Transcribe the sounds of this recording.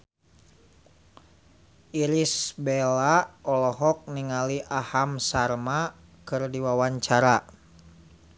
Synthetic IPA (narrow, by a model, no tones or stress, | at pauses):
ʔiɾisbɛlaɔlɔɦɔk̚niŋaliʔahamsarma | kɨrdiwawaɲt͡ʃaɾa